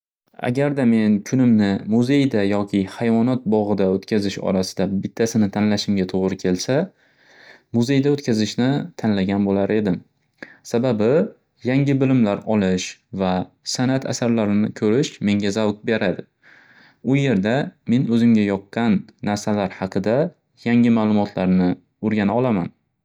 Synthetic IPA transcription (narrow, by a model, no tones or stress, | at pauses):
a̰ɡʲaɾd̪ame̞nkʰʊnɪmnɪmʊze̞jd̪ajɒkʲʰɪhajvɒnɒt̪̚bɒʁɨd̪aɵt̪kʲʰazɪʃɒ̰ɾasɪ̥d̪abɪt̪ʰːasɪnɪt̪ʰanlaʃɪmɡʲat̪ʰoʁɾɪkʲʰe̞lsa | mʊze̞jd̪aɵt̪kʲʰazɪʃnɪt̪ʰanlaɡʲanbolaɾe̞d̪ɪm | sababɪ | jaŋʲɪbɪlɪmlaɾɒlˠɪʃva | sanat̪ʰa̰saɾlaɾɪnɪkʲʰɵɾɪʃme̞ŋɡʲazawk̪̚be̞ɾʔad̪ɪ | ʊje̞ɾd̪ame̞nɵzɪmɡʲajɒqːɑnːaɾsalaɾhɑqʰɨd̪a | jaŋɪmaːlˠʊmɒt̪ʰlaɾnɪ | oɾɡʲanaɒlˠama̰n